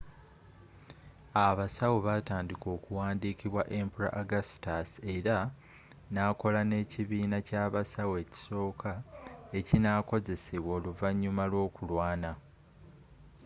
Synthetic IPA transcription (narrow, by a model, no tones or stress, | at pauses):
aβasawoβataːndiko̞ːkuwaːndikiβwaʔe̞mpuɾa̰ʔaɡastase̞ɾa | naːko̞lane̞ciβiːnacaːβasawe̞ːci̥so̞ːkʰae̞cinako̞ze̞seβwo̞ːluvaɲːumalwo̞ːkulwaːna